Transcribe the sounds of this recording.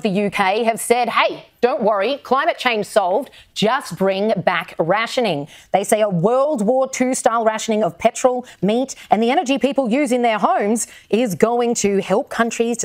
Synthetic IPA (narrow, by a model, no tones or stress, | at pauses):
vðɨjʉkʰeɪɨv̥sɛd̚heɪd̥õʊ̃nʔwʌɹikʰl̥ãɪ̃mɨt̚t͡ʃʰẽɪ̃nʒ̥sɑlˠv̥d͡ʒʌs̚b̥ɹɪ̃ŋbækɹæʃɨnɪ̃ŋðeɪseɪəwɜ˞lˠd̚wɔɹtʰʉstaɪlˠɹæʃɨnɪ̃ŋʌv̥pʰɛt͡ʃɹ̥l̩ˠmiɾʔɨ̃nðiɛñə˞d͡ʒipipl̩ˠjʉzɪ̃ŋðə˞ɦõʊ̃mzʔɪzɡoʊɪ̃ŋtʰɨhɛlˠp̚kʰʌ̃nt͡ʃɹ̥iz̥